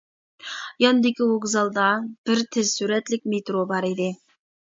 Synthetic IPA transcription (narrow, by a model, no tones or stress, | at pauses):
jɑnd̪ɪkʲiwoɡzɑlˠd̪ɑb̥ɪɾt̪ʰɪzsyɾɛt̪lɪk̚ʲmet̪ɾobɑɾid̪ɪ